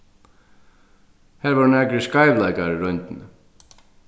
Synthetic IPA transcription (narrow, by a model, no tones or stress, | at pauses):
hɛːɾvaɾnɛkɾɪskaːjvlajkaɾɪɾœjnt̪ɪn